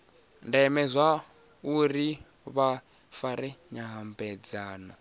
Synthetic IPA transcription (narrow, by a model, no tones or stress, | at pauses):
ndɛmɛzʷa | uɾi | βa | faɾɛɲaɦambɛd͡zaːnɔ